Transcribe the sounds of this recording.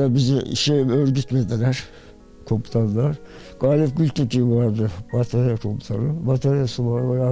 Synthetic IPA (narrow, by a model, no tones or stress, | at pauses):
abizɛḭʃejmøɾɟyt̪med̪ilʲæɾ̥ | kʰomut̪ʰanːˠaɾ | ɡ̥aːlʲip̚ɟylʲt̪ʰicʰivaɾd̪ɯbat̪ʰaɾijakʰomt̪ʰanɯbat̪ʰaɾjasɯvaɾvajaː